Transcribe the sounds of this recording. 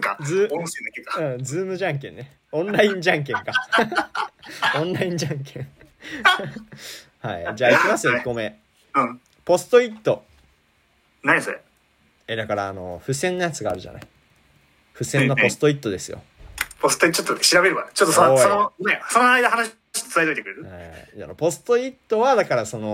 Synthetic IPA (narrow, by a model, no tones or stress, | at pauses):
kad͡zɨseakekːaɯ̟̃d͡zɨːmɯ̟ʑãŋk̬ẽnːe | õ̞nɾaĩɲd͡ʑãŋk̬ẽ̞ŋka | õnɾaĩɲ̟d͡ʑãŋkẽ | ha̰id͡ʑaːikʲimasɨjoiɡo̞me̞ | ɯ̃ | po̞sɨ̥t̪o̞it̪ːo̞ | naɲise | ed̪akaɾaːno̞̰ɸɯ̟sẽ̞nːajat͡sɨɡaːɾɯ̟ʑa̰na̰i | ɸɯ̟sẽ̞nːopo̞sɨ̥t̪oit̪ːo̞d̪e̞sɨjo̞̰posɨ̥t̪oiot͡ɕot̪ːoɕiɾabe̞ɾɯ̟kat͡ɕot̪ːosoononesonoaid̪aɦanaɕ | ɕi̥t̪o̥sɨait̪oit̪ekɯɾeɾɯ̟aanopo̞sɨ̥t̪o̞it̪ːo̞βad̪akaɾaso̞no̞